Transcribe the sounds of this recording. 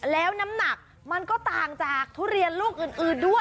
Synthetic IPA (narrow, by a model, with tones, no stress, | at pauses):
lɛː˦˥wna˦˥mna˨˩k̚ | ma˧nkɔː˥˩t̪aː˨˩ŋt͡ɕaː˨˩k̚t̪ʰuː˦˥˩ɾi˧ənluː˥˩k̚ʔɯː˨˩nʔɯː˨˩ndu˥˩ə